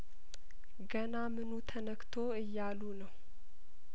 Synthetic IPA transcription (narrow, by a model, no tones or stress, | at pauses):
ɡənamɨnut̪ʰənəkt̪ʰoɨjːalunəw